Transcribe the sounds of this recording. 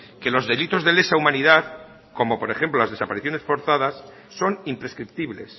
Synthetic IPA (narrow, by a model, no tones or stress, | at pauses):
ke̞lo̞zðe̞lit̪o̞zðe̞le̞saumaniðað | ko̞mo̞po̞ɾe̞xe̞mplolazðe̞sapaɾiθjo̞ne̞sfo̞ɾθað̞asː | o̞nimpɾe̞skɾip̚t̪iβle̞̰s